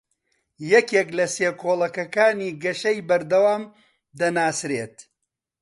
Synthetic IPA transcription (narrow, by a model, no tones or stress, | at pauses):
jɛkeklɐseːkʰoːlˠɐkɐkaːniːɡɐʃɐjbɐɾd̪ɐwaːm | d̪ɐnaːsɾeːt̪